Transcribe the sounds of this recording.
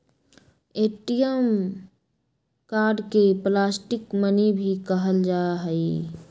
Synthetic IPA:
eːʈijəm | kaːɾɖkeplaːsʈɪkmənibʱikəɦəld͡ʒaɦəi

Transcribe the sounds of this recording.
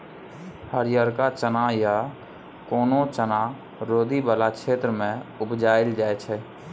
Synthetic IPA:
həɾjəɾkat͡ʃənaja | koːnot͡ʃəna | ɾoːd̪ʱibəlakʃʰeːt̪ɾəmẽʊbd͡ʒaːɪld͡ʒaːɛt͡ʃʰɛ

